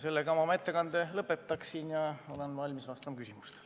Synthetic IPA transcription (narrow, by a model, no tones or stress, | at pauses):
se̞lːeɡɑmɑmet̪ˑːe̞kɑnd̪̥elɤpːˑe̞t̪ˑːɑksinjɑolonvɑlʲmisvɑst̪ɑmɑkysimust̪